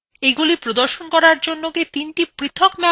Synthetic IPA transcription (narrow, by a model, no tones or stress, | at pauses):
eɡulipɾod̪oɾʃonkɔɾaɾd͡ʑonːoket̪inʈipɾit̪ʰːokmɛ